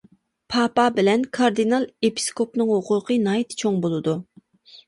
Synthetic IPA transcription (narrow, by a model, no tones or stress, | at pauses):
pʰɑpɑbɪlɛnkʰɑɾd̪inɑlˠepʰi̥skopnɨŋɦʊqʰʊqʰənɑjt̪t͡ʃʰoŋbolˠɨd̪u